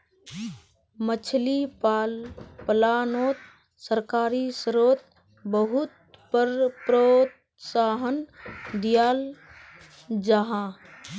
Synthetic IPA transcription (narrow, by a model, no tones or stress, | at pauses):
mət͡ʃʰlipaːlpəlaːnoːt̪̚ | səɾkaːɾisɾoːt̪ | bəɦʊt̪̚ | pəɾpɾot̪ | saːɦənd̪ijaːl | d͡ʒaɦãː